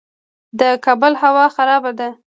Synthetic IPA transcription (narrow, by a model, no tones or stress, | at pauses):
d̪əkɑbʊlhawɑxaɾɑbad̪a